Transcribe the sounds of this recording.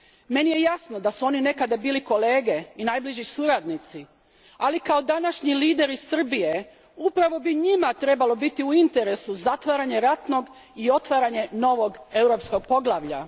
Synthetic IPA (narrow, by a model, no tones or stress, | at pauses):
me̞nije̞jasnod̪asuo̞nine̞kad̪abiːliko̞leːɡe̞inajbliʒisuɾad̪nit̪si | alikao̞d̪anaʃɲiliːd̪e̞ɾisr̩bije̞ | upɾaʋo̞biɲimat̪ɾe̞balˠo̞bit̪iuint̪e̞ɾe̞suzat̪ʋaɾaɲe̞ɾat̪no̞ɡ | io̞t̪ʋaːɾaɲe̞no̞ʋo̞ɡe̞wɾo̞psko̞ɡ̚po̞ɡlˠaʋʎa̰